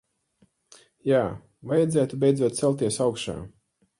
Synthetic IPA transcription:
jaː | vajad̪zæːt̪ubʲɛjd̪zuɔt̪̚t̪sɛlˠt̪iɛsawkʃa̰ː

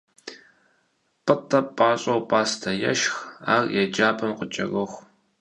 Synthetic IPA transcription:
pʼɨtʰʼɐpʼaːɕʼɐwpʼaːstʰɐjɛ̰ʃxa̰ːrjɛd͡ʒaːpʰʼɐmqət͡ʃʼɐ̰ɣɨxʷ

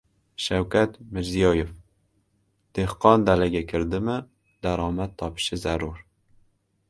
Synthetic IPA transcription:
ʃawkʲʰat̪mɪɾzijɑjef | d̪̥ehqɒnd̪alaɡʲakʲʰɪɾd̪ɪmɪ | d̪aɾɑːmat̪ʰːɒpɪ̥ʃɪzaɾuɾ

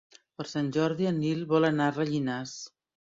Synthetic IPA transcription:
pəɾsanʲʒɔɾðiənilˠβɔlənarəʎinas

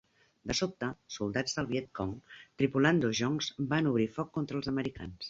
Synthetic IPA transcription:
d̪əsop̚t̪əsulˠd̪ad͡zd̪əlˠβjɛt̪̚kɔŋt̪ɾipuland̪oʒɔŋzbanuβɾifɔkːont̪ɾəlˠzəməɾika̰ns

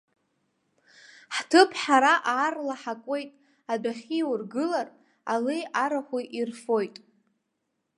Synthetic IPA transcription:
ħtʰɨpʰħaɾaʔaːrlaħakʷʼe̞jtʼ | adaχʲiwʊrɡɨlar | alejaɾaχʷuʔirfo̞jtʼ

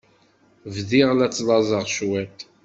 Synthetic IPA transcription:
vðiʁlæt͡sːlˤɑzˤəʁʃwæt̪

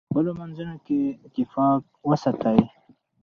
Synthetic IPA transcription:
bəlomanzunokeɪt̪ɪfɑk̚wəsat̪awi

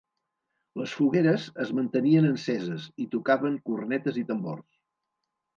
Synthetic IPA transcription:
ləsfuɣeɾəzəzmənt̪əniənənsɛzəzit̪ukaβəŋkurnɛt̪əzit̪əmbo̰rs

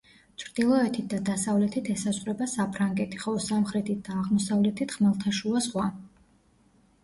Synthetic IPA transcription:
t͡ʃʰɾd̪̥ilˠɔɛt̪ʰit̪̚d̪ad̪asavlɛt̪ʰit̪ʰɛsasχɾɛbasapʰɾaŋɡɛt̪ʰi̥χɔlˠɔsamχɾɛt̪ʰit̪̚d̪aːʁmɔsavlɛt̪ʰit̪χmalˠt̪ʰaʃuasχwa

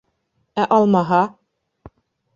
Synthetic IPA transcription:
æʔɑlˠmɑɦɑ

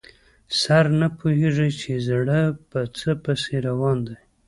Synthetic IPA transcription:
saɾnapoɦeʐəjt͡ʃezɽəpət͡səpəseɾawɑnd̪aj

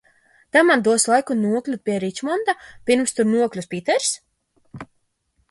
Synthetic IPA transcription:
t̪amand̪uɔslˠajkunuɔklʲupʲiɛɾit͡ʃmɔnd̪apʲiɾmst̪uɾnuɔklʲuspʲit̪ɛɾs

